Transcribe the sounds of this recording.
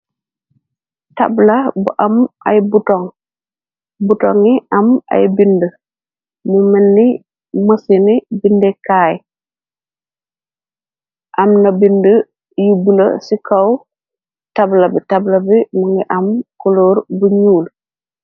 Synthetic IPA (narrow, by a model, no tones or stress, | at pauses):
ta̰blabuʔɐma̰jbutɔŋ | butɔ̰ŋiɐma̰jbində | mumenːi | məsinibindɛkaːj | ʔɐmnɐbində | jubulə̰sikʰaw | tablɐbitablɐbimuŋɡiʔɐmkoloːɾbuɲuːl